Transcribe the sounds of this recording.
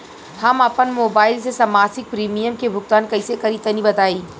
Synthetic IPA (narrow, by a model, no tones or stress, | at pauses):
hɐmɐpənmoːbaːɪlsesɐmaːsɪk̚pɾiːmijəmkebʱʊkt̪aːnkɐɪsekɐɾit̪ɐnibɐt̪aːiː